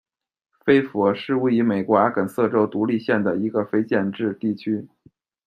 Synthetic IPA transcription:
fe˥ɪfɔ˧˥ʂɻ̩˥˧we˥˩ɪy˧˥me˨˩ɪkwa˧˥kə˨˩nsɤ˥˩ʈ͡ʂo˥ʊt̪u˧˥li˥˧ɕjɛ˥˩nd̪ə˩i˧˥ɡə˧fe˥ɪt͡ɕjɛ˥˧nʈ͡ʂɻ̩˥˧t̪i˥˩t͡ɕʰy˥

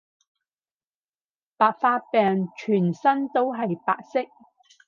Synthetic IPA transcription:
paː˨t̚faː˧t̚pɛː˨˧ŋt͡ʃʰyː˨˩nsɐ˥nt̪o˥wɦɐ˨jpa̰ː˨k̚sɪ˥k̚

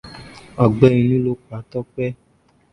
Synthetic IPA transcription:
ɔ˨ɡ͡bɛ˦ĩ˧nũ˦lo˦k͡pa˨˦tɔ˦k͡pɛ˦

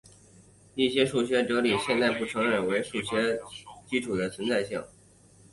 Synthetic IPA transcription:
i˥˩ɕjɛ˥ʂu˥˩ɕɥɛ˥ʈ͡ʂɤ˧˥li˨˩ɕjɛ˥˧nt̪a˥˧ɪpu˥˩ʈ͡ʂʰɤ˧˥ŋɻə˨˩nwe˧˥ɪʂu˥˩ɕɥɛ˥t͡ɕi˥ʈ͡ʂʰu˨˩d̪ə˦t͡sʰwə˧˥nt͡sa˥˧ɪɕɑ˥˩ŋ

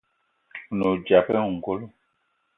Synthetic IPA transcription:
no˨d͡ʒa˨pɛ˦˨ŋ̩˨ɡo˦lo˦

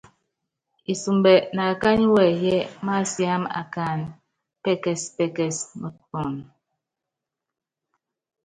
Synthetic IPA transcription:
i˨su˨mbɛ˨na˨ka˦ɲi˦wɛ˨jɛ˦ma˦sja˦ma̰˨ka˨n | pɛ˦kɛ˨spɛ˦kɛ˨smu˦˨tkɔ˨n

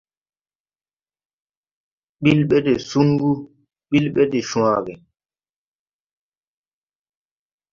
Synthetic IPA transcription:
ɓi˦lɓɛ˦dɛ˨su˦ŋɡu˦ | ɓi˦lɓɛ˦dɛ˨ʃũ˨aː˨ɡɛ˨

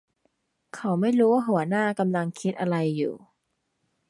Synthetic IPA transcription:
kʰa˨˦wma˥˩jɾuː˦˥waː˥˩ɦu˨˩˦ɐnaː˥˩ka˧mla˧ŋkʰi˦˥t̪̚ʔa˧ɾa˧jːṵː˨˩

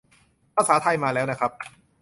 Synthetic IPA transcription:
pʰaː˧˥saː˩˦t̪ʰa˧jmaː˧lɛː˦˥wna˦˥kʰɾa˦˥p̚

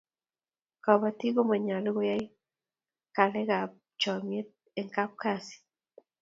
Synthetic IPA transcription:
ka˨βa˨ti˦ɣo˦ma˨ɲa˨li˦ɣo˦ja˦i˦ | ka˨lɛ˦ɣa˨ | t͡ʃɔ˨mje˦ | eŋka˦p̚kasi̥

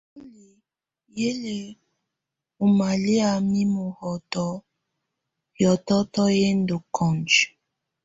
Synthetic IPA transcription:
o˦li˨ | je˦le˨ | u˨ma˨li˦a˨mi˦mo˨hɔ˨tɔ˦ | jɔ˨tɔ˦tɔ˦je˦n̩˦do˨kʰɔ˨nd͡ʒ

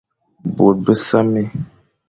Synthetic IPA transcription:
bo˨t̚bə˦sa˦mi˦

